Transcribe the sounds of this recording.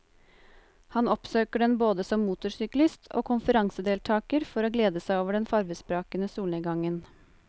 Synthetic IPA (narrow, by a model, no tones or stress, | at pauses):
hɑnɔpsøːkəɖɛnboːd̪əsɔmːuːt̪ʊʂʏklɪst̪ʰo̰ːkʰʊnfəɾɑŋsəd̪eːlt̪ʰɑːkəɾfɔɾoːɡleːd̪əsæɪoːʋəɖɛnfɑɾʋəspɾɑːkənəsuːləɡɑŋːən